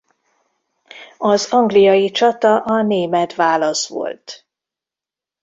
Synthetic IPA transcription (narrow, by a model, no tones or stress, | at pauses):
ɒzɒŋɡlijɒjit͡ʃɒt̪ɒʔɒneːmɛt̪ʋaːlɒsʋo̰lt̪